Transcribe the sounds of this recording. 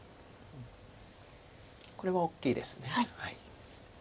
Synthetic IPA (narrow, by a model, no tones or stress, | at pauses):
ɯ̃ɴ | ko̞ɾe̞βao̞kʲːiːd̪e̞sɨ̥neaihai